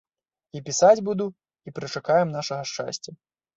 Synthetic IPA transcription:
ipʲisad͡zʲbud̪u | ipɾɨt͡ʂakajɛmnaʂɐɣɐʂt͡ʂa̰sʲt͡sʲɐ

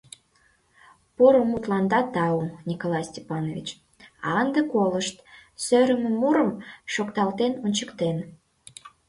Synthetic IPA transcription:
poɾomut̪lɑnd̪ɑt̪ɑunʲikolɑjsʲtʲepɑnovʲit͡ɕ | ɑ̰ənd̪əkoləʃt̪søɾə̆mə̆muɾəmʃokt̪ɑlt̪enonʲt͡ɕəkt̪en

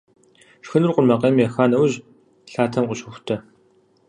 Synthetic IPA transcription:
ʃxɨnurqʷʊrmɐqɐmjɛxaːnɐwʑ | ɬaːtʰɐmqʷʼʊɕʊxʷʊ̥tʰɐ

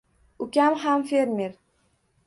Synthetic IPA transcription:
ʊkʲamɦamfeɾmeɾ

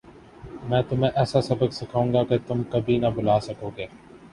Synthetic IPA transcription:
mɛ̃ːt̪ʊmẽːʔɛːsaːsɐbəɡsɪkʰaːũːŋɡaːket̪ʊmkəbʱiːnəbʊlaːsəkoːɡeː

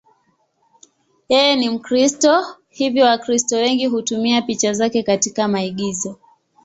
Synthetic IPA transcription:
jɛjɛnim̩kɾistɔ | hivjɔwakɾistɔwɛŋɡiɦutumiapit͡ʃazakɛkatikamaiɠizɔ

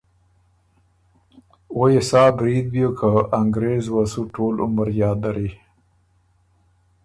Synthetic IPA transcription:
wojesɑːbɾid̪̚bjokʰaaŋɡɾezwasuʈʰoːlʊ̰məɾjɑːd̪ːaɾi

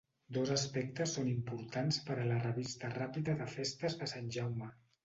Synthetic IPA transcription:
d̪ozəspɛk̚t̪əsːonimpuɾt̪anspəɾələrəβist̪ərapiðəðəfest̪əzðəsanʲʒawmə

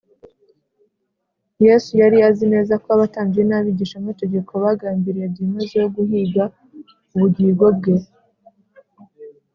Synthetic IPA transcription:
je̞sujaɾijazine̞ːzakoaβataːnɡjenaβiɟiːʃamŋate̞ɡe̞kʰo̞βaɡaːmbiɾijebdimezejoɡuhiɡa | uβuɟiːɡwo̞b̚ɡe̞

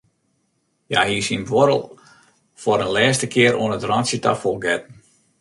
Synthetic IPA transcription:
jahiːsinʋoɾə̰lˠ | fɔɾənlɛːstəkʰɪəɾʔoənətrɑnsjəta̰fɔlˠɡɛt̚n̩

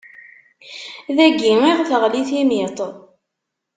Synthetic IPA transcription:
ðæɡːiiʁθəʁliθimit̪ˤ

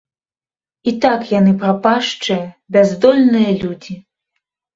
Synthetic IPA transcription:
it̪akjanɨpɾapaʂt͡ʂɨjɐbʲazd̪ɔlʲnɨjɐlʲud͡zʲi

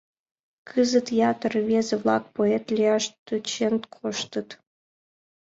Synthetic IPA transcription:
kʰɨzət̪jɑt̪ərβʲezĕβlˠɑk̚poet̪lʲijɑʃt̪ut͡ɕent̪kʰoʃt̪ə̆t̪

